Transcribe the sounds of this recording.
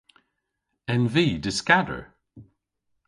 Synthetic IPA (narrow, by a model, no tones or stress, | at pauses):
ɛ̃nviːdɪskadə̰˞